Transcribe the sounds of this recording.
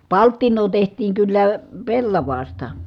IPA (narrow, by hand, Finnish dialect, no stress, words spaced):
pɑltːinˑoː tehtˑiːŋ kylːæ pelːɑʋɑːstɑ